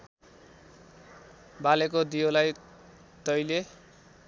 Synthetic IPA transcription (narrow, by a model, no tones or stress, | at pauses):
balekod̪ijolaj | t̪ʌjle